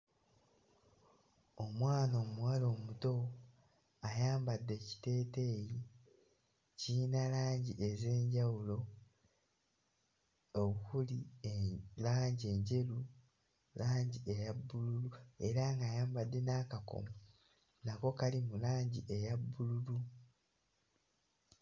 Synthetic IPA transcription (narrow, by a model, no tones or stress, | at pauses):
omwaːnoːmuwaːlo̞ːmuto̞ | ajaːmbadːe̞ci̥te̞ːte̞ːji | cinalaːɲɟiʔe̞ze̞ːɲɟawulo̞ | oβuhulielaːɲɟie̞ɲɟe̞lu | laːɲɟiejabːululue̞ɾaŋɡaːjaːmbadːe̞naːkako̰mu | nako̞kalimulaːɲɟiʔe̞jabːululu